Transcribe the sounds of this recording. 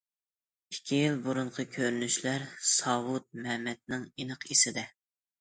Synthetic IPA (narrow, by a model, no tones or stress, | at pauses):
ikʲʰːijilbuɾuɴqʰəkʲʰøɾynyʃlæɾsɑwut̪̚mɛmɛt̪̚nɪŋinəqʰisɪd̪ɛ